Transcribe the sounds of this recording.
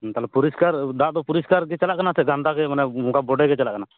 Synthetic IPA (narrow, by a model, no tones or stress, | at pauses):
t̪alɛpuɾiskaɾd̪at̪ɔpuɾiskaɾkɛt͡ʃalaʔkənasʰɛɡãnt̪akɛmanɛʊnkabɔɖɛkɛt͡ʃalaʔkəna